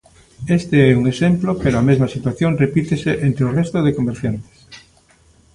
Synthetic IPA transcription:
est̪eeuŋesemplopeɾoamezmasit̪waθjonrepit̪eseʔent̪ɾeorest̪oð̞ekomeɾθjant̪e̥s

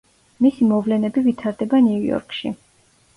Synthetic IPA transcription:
misimɔvlɛnɛbivit̪ʰaɾd̪ɛbaniujɔ̰ɾkʰʃḭ

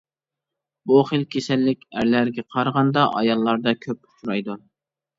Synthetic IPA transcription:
buχəlkʲʰesɛlːɪkʲæɾlæɾɡʲɛqʰɑɾʁɑnd̪ɑʔɑ̰jɑlˠːɑɾd̪ɑkʲʰøp̚u̥t͡ʃʰuɾɑjd̪u

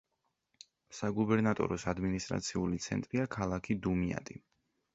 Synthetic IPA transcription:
saɡubɛɾnat̪ʼɔ̰ɾɔsad̪minist̪ʼɾa̰t̪sʰiulit̪sʰɛ̰nt̪ʼɾiakʰalˠakʰid̪umia̰t̪ʼi

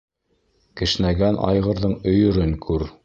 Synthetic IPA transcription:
kɘ̆ʃnæɡænʔɑ̰jʁɤ̆ɾðɤɴɵ̆jɵ̆ɾɘŋkʰʉɾ

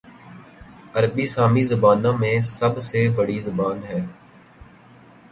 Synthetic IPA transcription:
əɾbiːsaːmizəbaːnãːmẽsəbsebəɽizʊbaːnɦɛː

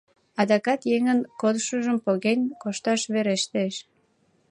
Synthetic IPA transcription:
ɑd̪ɑkɑt̪jeŋənkod̪ʃəʒəmpoɣenʲkoʃt̪ɑʃβeɾeʃt̪eʃ

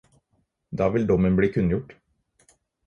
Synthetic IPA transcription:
d̪ɑːʋɪld̪ɔmənbɽiːkʰʉnjʊʈ

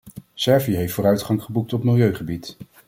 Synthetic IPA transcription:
sɛɹviɦejftfʊːɾœɥtχɑŋχəbuk̚tɔpmɪlˠjøɥχəbit

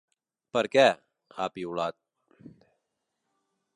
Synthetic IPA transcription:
pɐɾkɛː | aːpiːʊɭaːt̪̚

